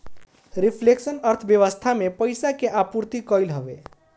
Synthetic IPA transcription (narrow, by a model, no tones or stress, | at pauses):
ɾipʰleksənəɾt̪ʰəbjəʋəst̪ʰamepəjsakeʔapuɾt̪ikəjlɦəbe